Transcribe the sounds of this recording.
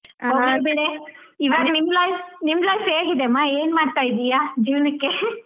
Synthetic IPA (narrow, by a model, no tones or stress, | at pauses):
ɦoːɡibiɽe | iʋaːɡnimlaːjfnimlaːjfeːɡid̪emaːeːnmaːɖt̪aːjid̪ijaːd͡ʒiːʋnɐkːe